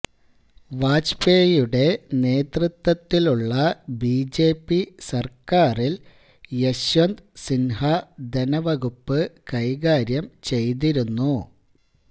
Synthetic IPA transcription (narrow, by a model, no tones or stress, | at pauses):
ʋaːt͡ɕpe̞ːjuɽe̞ne̞ːt̪rɨt̪wɐt̪ːiluɭːɐbiːd͡ʑe̞ːpːisɐrkaːril | jeɕʋɐnd̪sinɦɐd̪enɐʋɐɣupːɨkɐjɣaːɾjɐmt͡ɕe̞jt̪̬iɾunːu